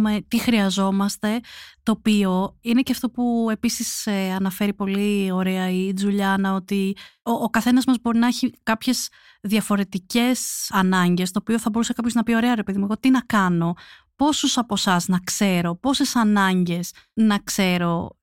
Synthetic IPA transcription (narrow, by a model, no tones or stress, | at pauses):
met̪ixɾiɐzo̞mɐst̪e̞t̪o̞ːpio̞ine̞ceɐft̪o̞pue̞pisiseɐnɐfe̞ɾipo̞lio̞ɾeɐid͡zuʎɐnɐo̞t̪ioːkɐθe̞nɐzmɐzbo̞ɾinɐeçikɐpçe̞z | ðiɐfo̞ɾe̞t̪ice̞sɐnɐɲɟe̞st̪o̞ːpio̞θɐbo̞ɾusekɐpço̞znɐpio̞ɾe̞ɐɾe̞pe̞ðimueɣo̞t̪inɐkɐno̞ | po̞susɐpo̞sɐznɐkse̞ɾo̞po̞se̞sɐnɐɲɟe̞s | nɐkse̞ɾo̞